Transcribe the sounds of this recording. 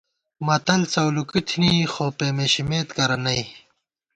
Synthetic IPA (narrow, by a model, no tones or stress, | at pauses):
mɐt̪ɐlt͡sɐwlukit̪ʰniːxoːpeːmeɕimeːt̪kɐɾɐnɐj